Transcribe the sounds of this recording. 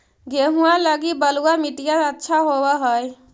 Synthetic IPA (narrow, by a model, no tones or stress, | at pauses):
ɡeɦuãləɡibəluamiʈijaətːʃʰaɦowɛɦəj